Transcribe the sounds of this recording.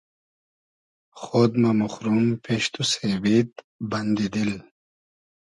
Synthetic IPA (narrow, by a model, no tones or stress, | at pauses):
χod̪mamuχɾumpʰeʃt̪usevit̪ | band̪id̪il